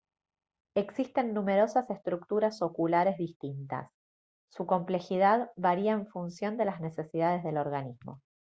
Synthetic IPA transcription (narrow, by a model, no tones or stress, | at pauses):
e̞ksist̪e̞nːũme̞ɾo̞sase̞st̪ɾuk̚t̪uɾaso̞kulaɾe̞zðist̪int̪a̰sː | uko̞mple̞xið̞aðβaɾiaeɱfunsjo̞nd̪e̞lazne̞se̞siðað̞e̞zðe̞lo̞ɾɣanizmo̞̰